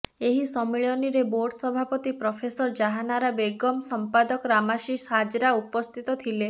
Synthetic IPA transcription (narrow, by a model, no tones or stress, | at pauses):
eɦisɔmiɭjɔniɾeboɾɖʱɔsɔbʱapɔt̪ipɾɔpʰesɔɾd͡ʒaɦanaɾabeɡɔmsɔmpad̪ɔkɔɾamaʃiʃɦad͡ʒɾaupɔst̪ʰit̪ɔt̪ʰile